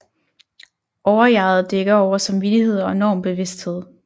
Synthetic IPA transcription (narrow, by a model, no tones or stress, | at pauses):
ʔɒʊɐjɑ̈ːð̩ˠd̥eɡ̥ɐɒʊɐsɑ̈mʋid̥ihe̝ð̞̰ˠɒ̽enɒ̰ːmb̥e̝ʋe̝sd̥he̝ð̰ˠ